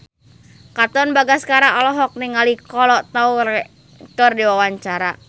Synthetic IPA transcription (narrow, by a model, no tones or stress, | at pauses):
kat̪ɔnbaɡaskaɾaʔɔlɔɦɔk̚niŋalikɔlɔʔt̪aurɛ | t̪ɔrdiwawaɲt͡ʃaɾa